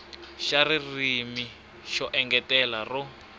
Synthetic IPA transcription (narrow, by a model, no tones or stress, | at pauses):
ʃaririmi | ʃɔʔɛŋɡɛtɛlarɔ